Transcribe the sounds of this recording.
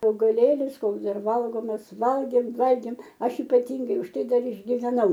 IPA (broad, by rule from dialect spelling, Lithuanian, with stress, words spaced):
ɐʊɡɐˈlʲeːlʲɪs ˈkoːks ˈdɐr ˈʋɐlˠɡoːmɐs ˈʋɐlʲɡʲeːm ʋɐlʲɡʲeːm ˈɐʃ ɪpɐˈtʲɪŋɡɐɪ ʊʃ ˈtɐɪ ˈdɐr ɪʒʲɡʲɪʋʲɛˈnɐʊ